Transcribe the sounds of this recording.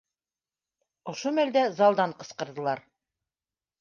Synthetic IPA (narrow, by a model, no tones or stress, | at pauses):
ŏʃomæld̪æzɑlˠd̪ɑɴqɤ̆sqɤ̆ɾðɤ̆lˠɑɾ